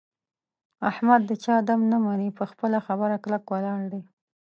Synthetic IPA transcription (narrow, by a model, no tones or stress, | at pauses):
ahmad̪ːət͡ʃɑd̪amnamanipəxpəlaxabəɾaklakwəlɑɾd̪e